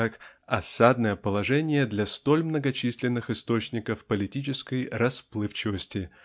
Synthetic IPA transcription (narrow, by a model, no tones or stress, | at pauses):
akɐsad̪nəjəpəlˠɐʐɛnʲɪjəd̪lʲɐst̪o̞lʲmnəɡɐt͡ɕisʲlʲɪnːɨxɨst̪o̞t͡ɕnʲɪkəfpəlʲɪtʲit͡ɕɪskəjrɐsplˠɨft͡ɕɪvəsʲtʲɪ